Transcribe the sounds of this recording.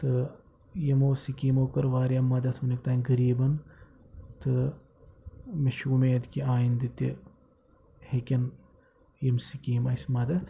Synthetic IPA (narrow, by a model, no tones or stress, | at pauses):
t̪ɨ | jimoːsikiːmoːkɐɾʋaːɾʲjamːɐd̪ɐt̪ʰunʲik̚t̪aːnʲɡɐɾiːbɐn | t̪ɨ | meʃuːmeːɐd̪kʲiaːjind̪it̪ḭ | hekʲɐn | jimsikiːmɐsʲmɐd̪ɐt̪ʰ